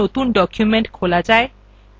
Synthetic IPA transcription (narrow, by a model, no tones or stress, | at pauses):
ot̪unɖɔkʰjumeɳʈkʰolad͡ʑae